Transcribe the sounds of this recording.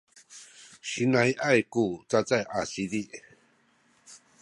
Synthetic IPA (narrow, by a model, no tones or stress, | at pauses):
ɕinajʔajkut͡sat͡sajʔasidiʔ